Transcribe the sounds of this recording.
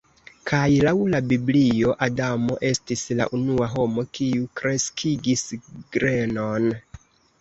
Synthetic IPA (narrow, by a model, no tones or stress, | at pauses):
kʰajlawlabiblio̞ʔadamo̞ʔe̞stisla̰ʔunuaɦo̞mo̞kʰiukɾe̞skʰiɡisɡ̥ɾeno̞n